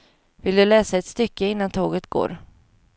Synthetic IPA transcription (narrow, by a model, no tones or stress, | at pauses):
vɪld̪ɵlɛːsaɛt̪st̪ʏkːəɪnːant̪ʰoːɡət̪ɡ̥o̰ːɾ